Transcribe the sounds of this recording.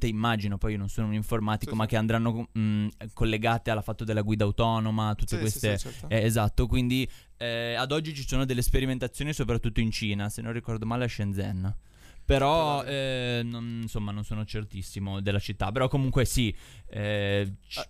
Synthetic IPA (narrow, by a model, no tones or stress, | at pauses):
t̪eimːaːd͡ʒinopɔjnonsoːnouniɱformaːt̪ikomakːeand̪ɾanːo | kolːeɡaːt̪ealafat̪ːod̪elːaɡwiːd̪awt̪ɔnomat̪ut̪ːekwest̪eɛːzat̪ːokwind̪i | ɛad̪ɔd͡ʒːit͡ʃisoːnod̪elːespeɾiment̪at̪sːjoːnisopɾat̪ːut̪ːoint͡ʃiːnasenːõnrːikɔrd̪omaːleaʃend̪zɛnː | peɾɔɛnonnsomːanonsoːnot͡ʃert̪isːimod̪elːat͡ʃit̪ːapeɾɔkːomuŋkwesiɛt͡ʃ